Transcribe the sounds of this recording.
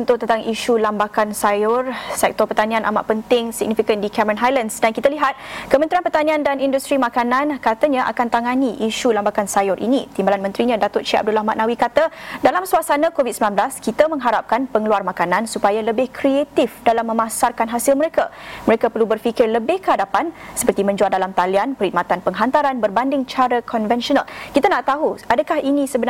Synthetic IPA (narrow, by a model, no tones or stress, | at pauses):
nt̪ʊt̪ənt̪aŋʔiʃulambakansajʊrsɛk̚t̪ɔpərt̪anĩanʔa̰ma̰ʔpənt̪ɪŋsḭɡ̚nifikəndikɛməɾə̃nɦajlansdankit̪aliɦat̪̚kəmə̃nɾianpərt̪anĩandanindust̪ɾimãkanãnkat̪aɲãʔa̰kant̪aŋaniʔiʃulambakansajʊrʔḭnit̪imbalanmə̃nt̪ɾiɲãdat̪ʊt̚ʃia̰b̚dulahmã̰t̪ʔ̚nawikat̪adalamsuasanãkovit̪̚səmilanblaskit̪əmə̃ŋɦaɾap̚kanpəŋəluarmakanãnsupajaləbɪhkʰɾiet̪ifdalamːə̃mãsarkanɦasilməɾekaməɾekapərlubərfikɪrləbɪhkəɦadapansə̥pərt̪imə̃ɲd͡ʒualdalamt̪alianpəɾhimat̪anpəŋɦant̪aɾanbərbandɪŋt͡ʃaɾəkʰɔnvɛnʃɔnalkit̪anaʔt̪aɦuadakahinĩsəbən